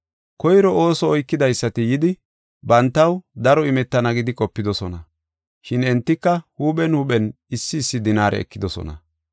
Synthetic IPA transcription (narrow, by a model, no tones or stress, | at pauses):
kɔjɾɔo̞ːsɔːjkːɪd̪ɐjsːɐt̪ɪjɪd̪ɪ | bɐnt̪ːɐwd̪ɐɾɔɪmɛt̪ːɐnɐɡɪd̪ɪkʼɔpːɪd̪ɔsɔnɐ | ʃɪnɛnt̪ːɪkːɐhuːɓɛnhʊɓɛn | ɪsːɪːsːɪd̪ɪnaːɾʔɛ̰ɛ̰kːɪd̪ɔsɔ̰nɐ̰